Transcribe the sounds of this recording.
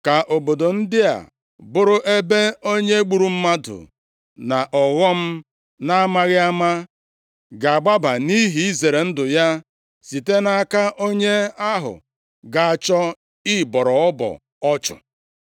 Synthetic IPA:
ka˨ʔo˨bo˨do˨n̩˦dɪ˦a̰˨ | bʊ˦ɾʊ˦ʔe˦be˦o˦ɲe˦ɡ͡bu˨ɾu˨m̩˦ma˦dʊ̰˨ | na˨ʔɔ˨ɣɔ˦m̩˦ | na˦ma˦ɣɪ˦a˦ma˦ | ɡa˨a˨ɡ͡ba˦ba˨ni˦ɦi˨i˦ze˨ɾe˨n̩˦dʊ˨ja˦ | si˨te˦na˦a˦ka˦ʔo˦ɲe˦a˦ɦʊ̰˨ | ɡa˨a˨t͡ʃɔ˦ | i˦bɔ˨ɾɔ˨ɔ˦bɔ̰˨ | ɔ˦t͡ʃɔ̰˨

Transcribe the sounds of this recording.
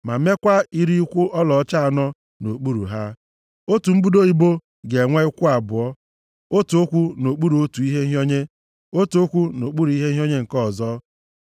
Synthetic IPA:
ma˨˦me˦kʷa˦i˦ɾi˦kʷʊ˦ʔɔ˦lɔ˨˦t͡ʃa˦a˨nɔ˦ | no˨k͡pu˦ɾṵ˨ɦa˦ | o˦tu˨m̩˦bu˦do˦i˦bo˦ | ɡe˨ŋʷe˦i˦kʷʊ˦a˨bʊ˨ɔ˦ | o˦tu˨o˦kʷu˦no˨k͡pu˦ɾu˨o˦tu˨i˦ɦe˦ɦjo˦ɲe˦ | o˦tu˨o˦kʷu˦no˨k͡pu˦ɾu˨i˦ɦe˦ɦi˦o˦ɲe˦ŋ̩˨kɔ˦˨zɔ˦

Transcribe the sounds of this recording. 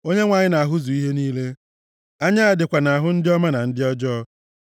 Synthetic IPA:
o˦ɲe˦ŋʷa˨ɲɪ˦na˨a˨ɦʊ˦zu˨i˦ɦe˦niː˦le˦ | a˦ɲa˦a˨dɪ˨kʷa˨na˨a˨ɦʊ˦n̩˦dɪ˦ɔ˦ma˦na˨n̩˦dɪ˦ɔ˦d͡ʒɔ˦

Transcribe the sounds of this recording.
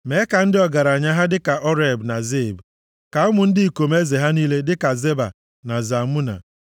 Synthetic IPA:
me˨˦ka˨n̩˦dɪ˦ɔ˨ɡa˨ɾa˨ɲa˦ɦa˦dɪ˦ka˨ʔɔ˦ɾe˨bna˨ze˦˨b | ka˨ʊ˦mʊ˨n̩˦dɪ˦i˨ko˨me˦ze˨ɦa˦niː˦le˦dɪ˦ka˨ze˦ba̰˨ | na˨za˨mu˦na̰˨

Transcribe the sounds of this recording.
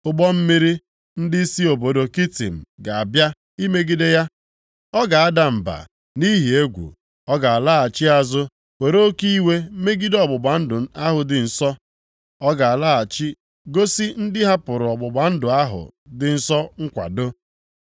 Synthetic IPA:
ʊ˦ɡ͡bɔ˦m̩˦mi˦ɾi˦ | n̩˦dɪ˦si˦o˨bo˨do˨ki˦tḭ˨m̩˨ɡa˨a˨bja˦ | i˦me˦ɡi˦de˦ja˦ | ɔ˦ɡa˨a˦da˨m̩˨ba̰˨ | ni˦ɦi˨e˦ɡʷṵ˨ | ɔ˦ɡa˨a˨la˦a˨t͡ʃɪ˦a˨zʊ˦ | we˨ɾo˦ki˦i˦we˦me˦ɡi˦dɔ˨ɡ͡bʊ˨ɡ͡ba˨n̩˦dʊ˨˦a˦ɦʊ˨dɪ˨n̩˨sɔ˦ | ɔ˦ɡa˨a˨la˦a˨t͡ʃi˦ | ɡo˦si˦n̩˦dɪ˦ɦa˦pʊ˨ɾʊ˨ɔ˨ɡ͡bʊ˨ɡ͡ba˨n̩˦dʊ˨a˦ɦʊ̰˨dɪ˨n̩˨sɔ˦ŋ̩˦kʷa̰˨do˦

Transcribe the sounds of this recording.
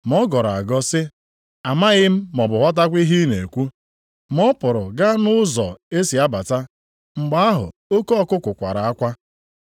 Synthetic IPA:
m˨ɔ˦ɡɔ˨ɾa̰˨ɡɔ˦sɪ˦ | a˨ma˦ɣɪ˦m̩˦mɔ˨bʊ˨ɦʷa˦t̬a˦kʷi˦ɦi˦ne˨kʷu˦ | mɔ˦pʊ˨ɾʊ˨ɡa˦nʊ˦zɔ̰˨e˦si˨a˦ba˨ta˦ | ŋ͡m̩˨ɡ͡ba˦a˦ɦʊ̰˨o˦ko˦ɔ˦kʊ˦kʷʊ˨kʷa˨ɾa˨a˦kʷa˦

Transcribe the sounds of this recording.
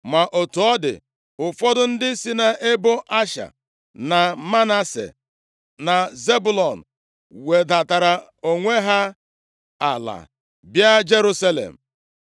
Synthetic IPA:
ma˨ʔo˨tu˨ɔ˦dɪ̰˨ | ʊ˨fɔ˦dʊ˦n̩˦dɪ˦si˦na˦ʔe˦bʊ˦ʔa˦ʃa̰˨ | na˨ma˦na˦sḛ˨ | na˨ze˦bu˦lɔ˨n̩˨ | we˨da˨ta˨ɾa˨ | o˨ŋʷe˦ɦa˦ | a̰˨la̰˨ | bja˦d͡ʒe˦ɾu˦sa˦lḛ˨m̩˨

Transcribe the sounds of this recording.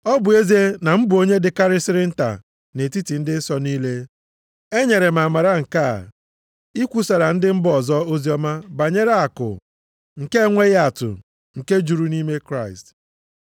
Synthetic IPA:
ɔ˦bʊ˨e˦ze˦na˨m̩˦bʊ˨o˦ɲe˦dɪ˨ka˦ɾɪ˦sɪ˦ɾɪ˦n̩˦ta̰˨ | ne˨ti˦ti˨n̩˦dɪ˦sɔ˦niː˦le˦ | e˦ɲe˨ɾe˨m̩˨a˨ma˨ɾa˦ŋ̩˨ka̰˦˨ | i˦kʷu˦sa˨ɾa˨n̩˦dɪ˦m̩˦bʊ˨ɔ˨zɔ˦o˦zi˦ɔ˦ma˦ba˨ɲe˦ɾa˦a˨kʊ̰˨ | ŋ̩˨ke˦ŋʷe˦ɣa˨tʊ̰˨ | ŋ̩˨ke˦d͡ʒu˨ɾu˦ni˦me˦kɾa˦˨ɪ˨st

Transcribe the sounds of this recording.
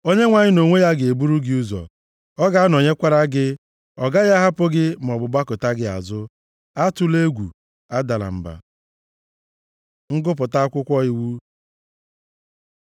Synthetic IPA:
o˦ɲe˦ŋʷa˨ɲɪ˦no˨ŋʷe˦ja˦ɡɪ˨e˨bu˦ɾu˦ɡɪ˦u˦zɔ̰˨ | ɔ˦ɡa˦a˦n˨o˨ɲe˦kʷa˦ɾa˦ɡɪ˦ | ɔ˨ɡa˦ja˦ɦa˦pʊ˦ɡɪ˦m˨ɔ˨bʊ˨ba˦kʊ˨ta˦ɡɪ˦a̰˨zʊ˦ | a˦tʊ˦le˦ɡʷṵ˨ | a˦da˨la̰˨m̩˨ba̰˨ | ŋ̩˦ɡʊ˦p̬ʊ˨ta˦a˦kʷʊ˦kʷɔ˦ɪ˦wu˦

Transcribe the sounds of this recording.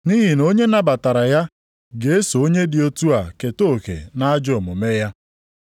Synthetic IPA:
ni˦ɦi˨no˦ɲe˦na˦ba˨ta˨ɾa˨ja˦ | ɡe˨e˦so˨o˦ɲe˦dɪ˨o˦tu˦a˨ke˨to˦˨kḛ˨na˦a˦d͡ʒʊ˦˨mʊ˨me˦ja˦

